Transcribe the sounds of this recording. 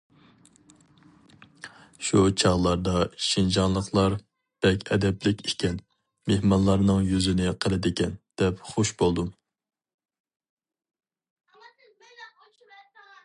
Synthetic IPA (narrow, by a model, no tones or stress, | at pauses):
ʃut͡ʃʰɑʁlˠɑɾd̪ɑʃind͡ʒɑnlˠəχlˠɑɾ | b̥ɛkʲʰɛd̪ɛplɪkʲiʃkʲɛn | mehmɑnlˠɑɾnɨŋjyzɪnɪqʰəlˠɪd̪ɪkʲʰɛnd̪̥ɛpχoʃbolˠd̪um